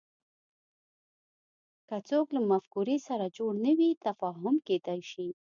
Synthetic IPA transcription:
kat͡soklamafkuɾisaɾad͡ʒoɽnəwit̪afɑɦʊmked̪ajʃi

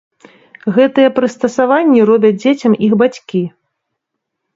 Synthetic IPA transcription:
ɣɛt̪ɨjɐpɾɨst̪ɐsavanʲːiɾɔbʲɐd͡zʲd͡zʲet͡sʲɐmiɣbat͡sʲkʲi

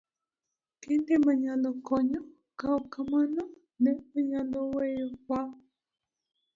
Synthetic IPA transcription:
kendemaɲalokɔɲɔ | kaokamanɔ | nɛmaɲalowejka

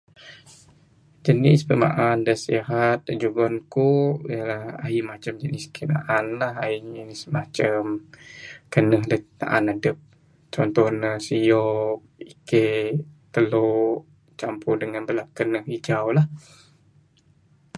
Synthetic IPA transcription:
d͡ʒənɪsbəma̰ʔandəsiaɦat̪̚ːəd͡ʒubənkoijəlaha̰imat͡ʃəmd͡ʒənɪskʰəna̰ʔanlahaid͡ʒənismat͡ʃəm | kənəhdəna̰ʔanadəp̚ | t͡ʃɔnt̪ɔhnəsijɔk̚ | iket̪əlo | t͡ʃampʊdəŋanbəlap̚kənəhid͡ʒawlah

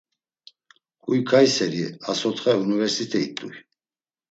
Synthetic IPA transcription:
kʼujkʰajsɛɾiasɔt̪χɛunivɛɾsit̪ʰʼɛit̪ʼṵj

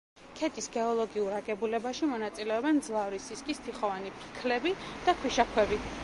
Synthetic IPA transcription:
kʰɛt̪ʼisɡɛɔlˠɔɡiuɾaɡɛbulɛbaʃimɔnat̪sʼilɛɔband̪zlˠavɾisiskʼist̪ʰiχɔvanipʰi̥kʰlɛbid̪̥akʰwiʃakʰwɛbi

